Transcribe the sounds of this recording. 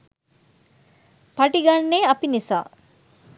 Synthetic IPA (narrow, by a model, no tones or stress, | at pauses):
paʈiɡanːeːɐpinisa̰ː